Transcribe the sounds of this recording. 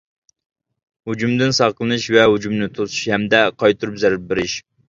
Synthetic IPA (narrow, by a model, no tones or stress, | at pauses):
hud͡ʒumd̪ɪnsɑʁqlˠɨnɨʃvɛɦud͡ʒumnɪt̪ʰosu̥ʃhɛmd̪ɛqʰɑjt̪ʰuɾupzɛɾɪp̚bɪɾɪʃ